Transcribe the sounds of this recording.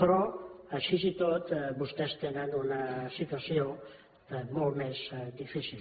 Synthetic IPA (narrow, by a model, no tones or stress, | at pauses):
pɾɔəʃizit̪ot̪bust̪ɛst̪enənunəsit̪uəsio | molmezd̪ifisil